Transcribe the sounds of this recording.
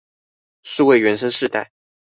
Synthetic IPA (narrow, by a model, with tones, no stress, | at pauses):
ʂɻ̩˥˧we˥˩ɪɥɛ˧˥nʂə˥ŋʂɻ̩˥˧t̪a̰˥˩ɪ